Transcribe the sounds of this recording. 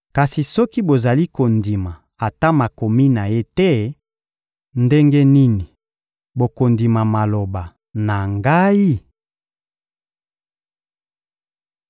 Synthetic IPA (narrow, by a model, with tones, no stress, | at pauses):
ka˨si˨sɔ˦ki˦bo˨za˨li˦ko˨ndi˨ma˨ | a˨ta˦ma˨ko˨mi˦na˨je˦te˦ | nde˦ŋɡe˦ni˦ni˨ | bo˨ko˨ndi˨ma˨ma˨lo˨ba˨ | na˨ŋɡa˦i˦